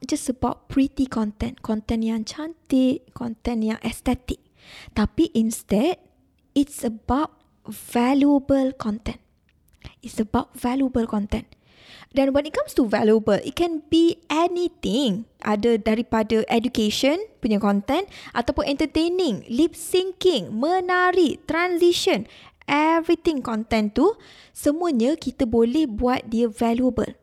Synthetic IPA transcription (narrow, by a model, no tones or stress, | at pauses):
d͡ʒasəbaʊt̚pɹit̪ikʰɔ̃nt̪ɛ̃nkɔ̃nt̪ɛ̃njãŋt͡ʃãnt̪ɪt̚kʰɔ̃nt̪ɛ̃njã̰ŋʔɛst̪ɛt̪ɪk̚ | t̪apiʔĩnstɛd̚ | itsəbaʊt̚ | v̥ɛljuəbəlkʰɔ̃nt̪ɛ̃n | itsəbaʊt̚vɛljuəbəlkɔ̃nt̪ɛ̃n | dɛ̃nwɛ̃nit̚kãmstuvɛljuəbəlḭt̚kɛ̃nbiʔɛnit̪iŋʔa̰dədaɾipadəʔɛdukeʃɔ̃npuɲãkɔ̃nt̪ɛ̃nʔa̰t̪awpʊnɛ̃nt̪ət̪enɪ̃ŋlip̚siŋkɪŋmə̃naɾit̪ɾãnsiʃɔ̃nʔɛvɾit̪ɪ̃ŋkɔ̃nt̪ɛ̃nt̪u | səmũəɲə̃kit̪əbolɛhbuat̪̚diəvaluəbə̰l